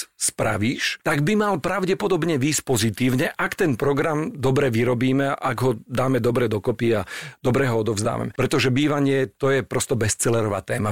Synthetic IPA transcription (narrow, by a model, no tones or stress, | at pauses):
spɾa̰ʋiːʃt̪aɡbimalpɾaʊɟɛpɔd̪ɔbɲɛʋiːsc̚pɔzit̪iːʊɲɛʔakt̪ɛnpɾɔɡɾamd̪ɔbɾɛʋiɾɔbiːmɛʔaɡɦɔd̪aːmɛd̪ɔbɾɛd̪ɔkɔpiad̪̥ɔbɾɛɦɔɔd̪ɔvzd̪a̰ːʋa̰mɛpɾɛt̪ɔʒɛbiːʋaɲɪɛt̪ɔjɛpɾɔst̪ɔbɛst͡sɛlɛɾɔʋa̰ːt̪ɛːma